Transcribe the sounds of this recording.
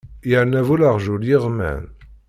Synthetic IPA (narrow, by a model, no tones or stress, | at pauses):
jəʕnævulaʁʒuljiʁmæ̰n